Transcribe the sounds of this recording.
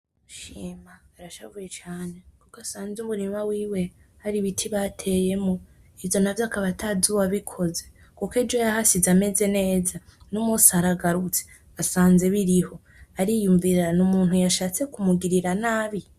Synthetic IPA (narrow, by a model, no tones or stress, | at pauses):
uʃiːmaːɾaʃavujet͡ʃaːne̞kukasaːnzumuɾimawiːwe̞ | haɾiβitʰiβatʰe̞je̞mo | ivjo̞navjakaβatʰazuwaβikʰo̞ze̞ | kukid͡ʒojahasizame̞ze̞ne̞ːzanumusiaɾaɡaɾut͡se̥ | asaːnze̞βiɾiho̞ | aɾijuɱviɾɾanumuːn̥hujaʃaːt͡se̞kumuɡiɾiɾanaːβi